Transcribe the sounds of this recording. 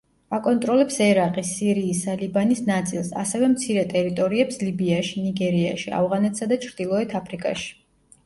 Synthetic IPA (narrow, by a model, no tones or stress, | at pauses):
akʼɔnt̪ʼɾɔlɛpsɛɾaqʼisːiɾiːsalibanisnat̪sʼilˠsa̰sɛvɛmt̪sʰiɾɛt̪ʼɛɾit̪ʼɔɾiɛpslibiaʃiniɡɛɾia̰ʃia̰vʁanɛt̪ʰsad̪at͡ʃʰɾd̪̥ilˠɔɛt̪ʰapʰɾikʼa̰ʃi̥